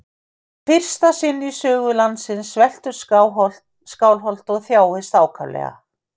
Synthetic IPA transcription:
fɪr̥st̪asɪnːisœːɣʏlant̪sɪnsvɛl̥t̪ʏɾ̥sawɦɔlt̪ | skaːwlɦɔl̥t̪ɔɣθjaːwhɪst̪aːwkʰa̰vlɛ̰ɣa̰

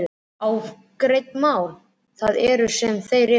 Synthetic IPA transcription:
aw | kɾejt̪maːwl | θaðɛɾʏsɛmθejrɪ

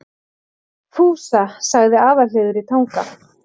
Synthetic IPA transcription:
fuːsasaɣðɪaːðaleːðʏɾit̪ʰaːwŋka

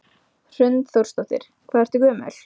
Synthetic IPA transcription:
r̥ʏnt̪θowɾ̥st̪ɔwht̪ɪ̰ɾ̥kʰvaːðɛɾt̪ʏkœːmɛ̰l̥

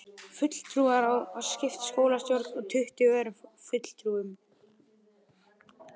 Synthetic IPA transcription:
fʏt̪l̥t̪ʰɾuaɾawascɪft̪skoːwlast̪jowɾt̪ɔɣt̪ʰʏht̪ʏvɛːɾʏmfʏt̪l̥t̪ʰɾuːʏm

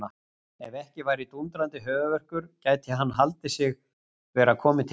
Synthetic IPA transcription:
a | ɛvɛhcɪvaːjɾit̪unt̪ɾant̪ɪɦœːɣʏvɛr̥kʏɾ̥caːjt̪aɦanːɦalt̪ɪsɪɣ | vɛːɾakʰɔːmɪt̪ʰ

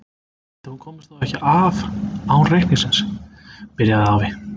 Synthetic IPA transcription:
t̪aθunkʰɔːmɪst̪aɛhcɪʔavawrejhniŋsɪnspɪɾjaðawvɪ

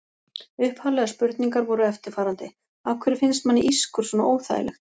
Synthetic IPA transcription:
ʏhphalɛɣaspʏɾt̪niŋkaɾvɔɾʏɛft̪ɪɾ̥faːɾant̪ɪ | awkʰvɛɾɪfɪnst̪manːɪʔiskʏɾsvɔnaʔoːwθa̰jɪ̰lɛ̰xt̪

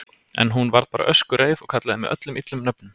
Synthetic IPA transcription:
ɛ̰nɦunvaɾðpaːɾa̰ʔœskʏɾeːjðɔɣkʰat̪laðɪmɛ̰ðʔœ̰t̪lʏmit̪lʏmnœpnʏm

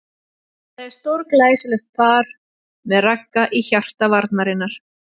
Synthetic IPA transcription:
θaðɛɾ̥st̪oɾklaːjsɪlʏxt̪̚pʰaːɾ | mɛðrakːaʔiçar̥t̪avaɾt̪naɾɪnːaɾ̥

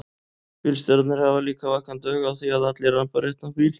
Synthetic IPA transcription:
filst̪œɾt̪nɪɾhavaliːkavakvant̪œːɣawθiaðat̪lɛɾanpaɾɛht̪napiːl

